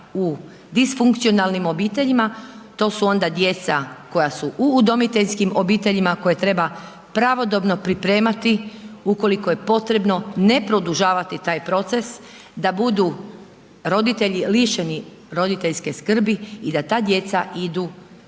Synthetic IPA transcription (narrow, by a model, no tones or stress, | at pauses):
u | d̪isfuŋkt̪sio̞nalnimo̞biːt̪e̞ʎimat̪o̞ːsuo̞nd̪ad̪je̞t̪sako̞jasuʔuːd̪o̞mit̪e̞ʎskimo̞biːt̪e̞ʎimako̞je̞t̪ɾe̞ba | pɾaʋo̞d̪o̞bno̞pɾipɾe̞ːmat̪iuko̞liko̞je̞po̞t̪ɾe̞bno̞ne̞pɾod̪uʒaːʋat̪it̪aːjpɾo̞t̪se̞s | d̪abud̪u | ɾo̞d̪it̪e̞ʎiliʃe̞ni | ɾo̞d̪it̪eʎʲske̞skr̩biid̪at̪aːd̪je̞t̪said̪u